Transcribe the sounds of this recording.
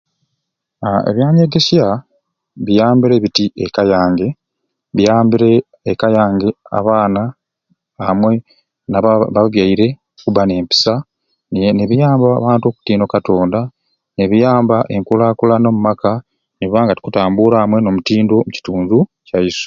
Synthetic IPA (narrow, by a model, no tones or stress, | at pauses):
aḛβjaːɲeɡesja | βijaːmbiɾe̞βitiʔekajaːŋɡe̞ | βijaːmbiɾe̞ː | kajaːŋɡea̰βaːnaː | mwe̞ | naβaβjaiɾe̞ | kuβane̞ːmpi̥sa | nneβijaːmba̰ːβaːntuo̞ku̥tiːndo̞kato̞ːnda | neβijaːmbaʔeŋkulaːkulano̞mumaka | niβaːŋɡati̥kutaːmbuɾamwe̞no̞mutiːndo̞muci̥tuːnzu | cajisu̥